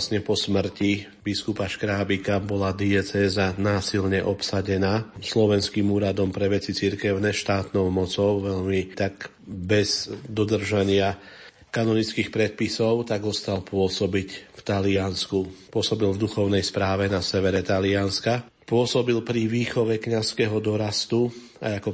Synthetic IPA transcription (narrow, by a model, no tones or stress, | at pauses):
sɲɛpɔsmr̩ci | biskupaʃkɾaːbikabɔlad̪iɛt͡sɛːzanaːsilɲɛʔɔpsaɟɛnaːslɔʋɛnskimuːɾad̪ɔmpɾɛʋɛt͡sit͡siɾkɛʊnɛʃt̪aːt̪nɔʊmɔt͡sɔʊʋɛʎmit̪ak | bɛzd̪ɔd̪r̩ʒaɲɪa | kanɔnit͡skixpɾɛt̪̚pisɔʊt̪aɡɔst̪alpʊɔsɔbicft̪alɪanskupʊɔsɔbilvd̪uxɔʊnɛjspɾaːʋɛnasɛʋɛɾɛt̪alɪanska | pʊɔsɔbilpɾiʋiːxɔʋɛkɲaskɛɦɔd̪ɔɾast̪u | a̰jakɔ